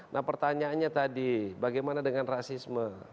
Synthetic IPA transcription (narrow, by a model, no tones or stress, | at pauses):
nʔahpərt̪aɲaːnɲat̪adibaɡajmanadəŋanrasismə